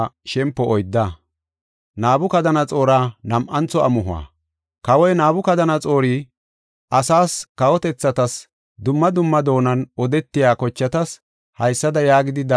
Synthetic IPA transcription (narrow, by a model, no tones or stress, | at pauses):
ʃɛmpːɔʔɔjd̪ːa | naːbʊkɐd̪ɐnɐt͡sʼo̞ːɾaːnɐmʔɐnt͡sɔɐmʊɦʊa̰ː | kɐwɔjnaːbʊkɐd̪ɐnɐt͡sʼo̞ːɾiː | ʔɐsaːskɐwɔt̪ɛt͡sːɐt̪ɐs | d̪ʊmːɐd̪ʊmːɐd̪o̞ːnɐnɔd̪ɛt̪ːɪjaːkɔt͡ʃːɐt̪ɐs | hɐjsːɐd̪ɐjaːɡɪd̪ɪd̪ɐ